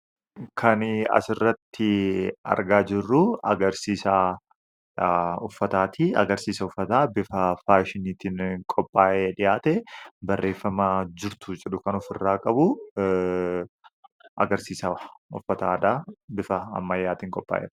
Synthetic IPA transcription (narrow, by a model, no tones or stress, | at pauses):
kʰɐnɐ̰sɪrːɐt̪ːɪɐ̰ɾɡaːd͡ʒɪrːʊɐ̰ɡɐɾsiːsa | ʊfːɐt̪aːt̪ʰiɐ̰ɡɐɾsiːsɐʊfːɐt̪aːbɪfɐfaːʃɪniːt̪inkʼɔpʼːaːʔeːᶑɪjaːt̪ɛbɐrːe̞ːfːɐmaːd͡ʒɪɾt̪ʊd͡ʒʼɛɗʊkɐnʊfɪrːaːkʼɐbʊ | ʔɐɡɐɾsiːsɐʊ̰fːɐt̪aːd̪aːbɪfɐɐ̰mːɐjːaːt̪iːŋkʼɔpʼːa̰ːʔḛːᶑ